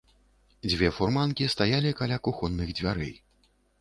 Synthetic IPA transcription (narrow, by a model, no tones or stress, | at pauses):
d͡zʲvʲɛfurmankʲist̪ajalʲikalʲakuxɔnːɨɣd͡zʲvʲaɾɛ̰j